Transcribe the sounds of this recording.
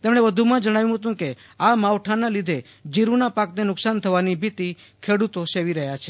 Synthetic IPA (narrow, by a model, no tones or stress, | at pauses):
t̪emɽ̃ebəd̪ʱumãd͡ʒəɽ̃aʋjũɦət̪̬ũke | amaʋʈʰanalid̪ʱe | d͡ʒiɾunapaknenʊksant̪ʰəʋanibʱit̪i | kʰeɽut̪oseʋiɾəɦjat͡ʃʰe